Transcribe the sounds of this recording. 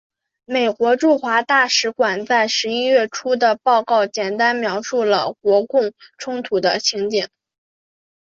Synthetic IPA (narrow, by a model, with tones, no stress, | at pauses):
me˨˩ɪkwɔ˧˥ʈ͡ʂu˥˩xwa˧˥t̪a˥˩ʂɻ̩˧˥kwa˨˩nt͡sa˥˩ɪʂɻ̩˧˥i˥ɥɛ˥˩ʈ͡ʂʰu˥d̪ə˨pɑ˥˧ʊkɑ˥˩ʊt͡ɕjɛ˨˩nt̪a˥nmjɑ˧˥ʊʂu˥˩lə˩kwɔ˧˥kʊ˥˩ŋʈ͡ʂʰʊ˥ŋt̪ʰu˨˩d̪ə˦t͡ɕʰi˧˥ŋt͡ɕi˥˩ŋ